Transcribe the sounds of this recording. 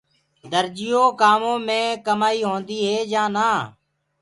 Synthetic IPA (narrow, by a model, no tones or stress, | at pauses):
d̪əɾd͡ʒɪjõːkaːmõːmẽːkəmaːiːɦõːnd̪iːɦeːd͡ʒãːnaː